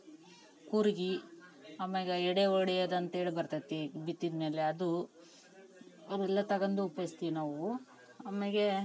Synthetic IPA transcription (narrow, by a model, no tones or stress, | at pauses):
kuɾɡi | ɐmeɡeɛɽeoɽɛjɐd̪ɐnt̪ɐeːɭibɐɾt̪ɐt̪ːibit̪ːid̪me̞ːleɐd̪u | ɐɾɛlːɐt̪ɐɡɐnd̪uːpɐjst̪inaːʋu | ɐmeɡe